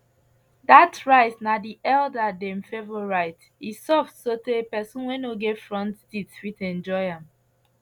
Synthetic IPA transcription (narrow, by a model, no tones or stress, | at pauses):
datɹaɪtnadiʔɛldadɛ̃mfevoɹaɪt | isɔfdsotepɛsũnwɛ̃noɡɛfɹɔ̃ntstitswitɛ̃nd͡ʒɔɪãm